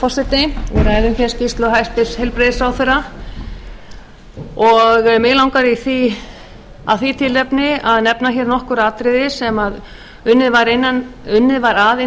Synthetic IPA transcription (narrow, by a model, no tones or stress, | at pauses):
fɔr̥sɛt̪nɪɛɾaɛɾʏmçɛɾ̥scist̪lɔɦajst̪ɪshɛjlpɾɪðɪsawθɛɾa | ɔɣmɪlawŋkaɾiθi | a̰ðθit̪ʰɪlːɛpnɪaðnɛpnaçɛːɾnɔhkʏɾaːt̪ɾɪðɪsɛmað | ʏnːɪðvaɾɪnːanʏnːɪðvaɾaðɪ